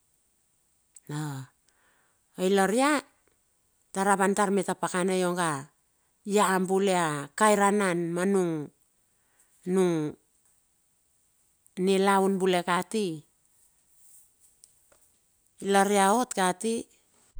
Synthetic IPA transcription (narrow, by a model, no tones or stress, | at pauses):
na | ojlaɾia | taɾaβantaɾmetapakanajo̞ŋɡa | jaambuleakajɾananmanuŋ | nuŋ | nilawnbule̞kati | ilaɾiao̞tkati